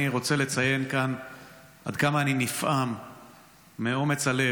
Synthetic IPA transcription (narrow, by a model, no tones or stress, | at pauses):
iʁo̞t͡se̞le̞t͡saje̞nkan | ʔa̰dkamaːninifʔamː | eomet͡sale